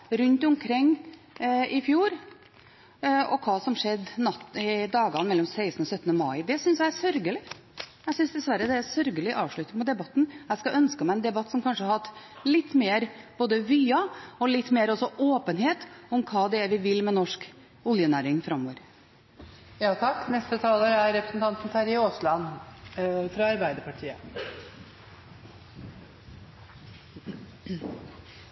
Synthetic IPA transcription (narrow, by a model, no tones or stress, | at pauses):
ɾʉnt̪ɔmkʰɾɪŋː | ɪfjuːɾ | ɔkʰɑːsɔmʂɛd̪ːnɑt̪ɪd̪ɑːɡɑnmɛlːɔmsæɪst̪nɔsœt̪ːnəmɑɪd̪ɛsʏnsjæɪæsœɾɡəlɪ | æɡsʏnsd̪ɛsʋæɾːəd̪ɛæsœɾɡəlɪʔɑːʋʂɭʉt̪ɪŋmʊt̪d̪ɛbɑt̪ːn̩æskɑʔœnskəmæɪɛnd̪ɛbɑt̪ːsɔmkʰɑnʂəhɑɾhɑt̪ː | lɪt̪ːmeːɾb̥oːd̪əʋyːɑɔlɪt̪ːmeːɾɔsɔʔoːpənɦeːt̪ʊmkʰɑːd̪ɛæɾʋɪʋɪlːmɛnɔʂk | ɔljənæːɾɪŋfɾɑmːoːʋəɾ | jɑːt̪ʰɑkːnɛst̪ət̪ʰɑːləɾæɾɾɛpɾəsn̩t̪ɑnt̪n̩t̪ʰæɾɪoːslɑn | fɾɑɑɾbæɪd̪əɾpʰɑʈʰiːə